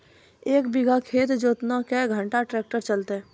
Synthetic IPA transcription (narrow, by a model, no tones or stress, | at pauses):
eːkbiɡʱakʰeːt̪d͡ʒoːt̪nakɛɡʱə̃ɳʈaʈɾeːk̚ʈəɾt͡ʃəlt̪e